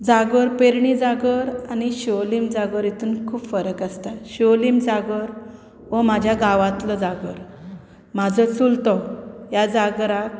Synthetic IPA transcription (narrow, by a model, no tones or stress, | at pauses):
d͡zaɡəɾpeɾɳid͡zaɡəɾaniɕolimd͡zaɡəɾit̪ʰuːnkʰuːpfəɾəkast̪aɕolimd͡zaɡəɾ | ɔmad͡ʑʱjaɡaʋãt̪ləd͡zaɡəɾ | mad͡zʱət͡sult̪ɔjad͡zaɡɾak